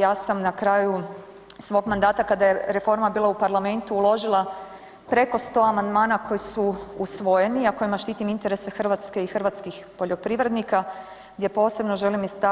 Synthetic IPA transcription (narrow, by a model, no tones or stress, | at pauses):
jaːsamnakɾaːju | sʋo̞ɡmand̪aːt̪akad̪aje̞ɾe̞fo̞ɾmabiːlˠaupaɾlˠame̞nt̪uːlˠo̞ʒilˠa | pɾe̞ko̞st̪o̞ːamand̪maːnakʰo̞jisuusʋo̞je̞niako̞jimaʃt̪iːt̪imint̪e̞ɾesexr̩ʋat̪ske̞ixr̩ʋat̪skixpo̞ʎo̞pɾiʋɾe̞d̪nika | ɡd̪je̞po̞ːse̞bno̞ʒe̞limːist̪a